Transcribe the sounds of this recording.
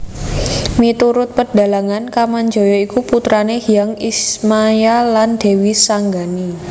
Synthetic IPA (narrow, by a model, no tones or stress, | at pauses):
mit̪uɾʊt̪̚pərd̥a̤laŋankamaɲd͡ʒɔ̤jɔikuput̪ɾanehijaŋismajaland̪̥e̤wisaŋɡani